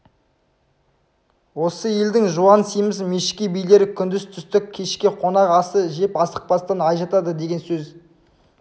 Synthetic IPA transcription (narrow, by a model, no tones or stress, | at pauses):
wo̞səjeld̪ɪŋʒuɑnsijmɪsmeʃɪkʲijbijle̞ɾkʲʰʏnd̪ɪst̪ʰʏst̪ɪk̚ʲʰːe̞ʃkʲɪqʰo̞nɑqɑsəʒe̞pɑsə̥q̚pɑst̪ɑnɑjʒɑt̪ɑd̪əd̪e̞ɡʲe̞nsɵz